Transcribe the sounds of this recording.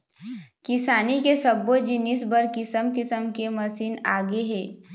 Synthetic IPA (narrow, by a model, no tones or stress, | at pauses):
kɪsaːnikesəbːod͡ʒɪnisbəɾkɪsəmkɪsəmkeməsiːnaːɡeɦeː